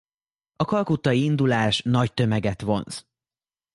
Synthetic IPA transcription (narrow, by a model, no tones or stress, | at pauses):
ɒkɒlkut̪ːɒiind̪ulaːʃnɒct̪ø̞mɛɡɛt̪ʋo̞ns